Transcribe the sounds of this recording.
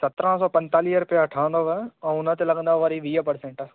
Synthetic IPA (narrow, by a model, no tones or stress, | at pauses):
sɐt̪ɾə̃sɔːpɐ̃nt̪aːliːɦəɾʊpijaʈʰaːə̃nd̪oːʋəɛ̃ːʊnə̆t̪elɐɡə̃nd̪aʋɐɾiʋiːəpɐɾsẽːɳʈa